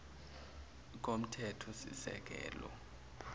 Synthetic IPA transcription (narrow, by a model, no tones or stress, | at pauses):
k̬ʼom̩tʰɛtʰɔsḭsɛ̰k̬ʼɛ̰ːlɔ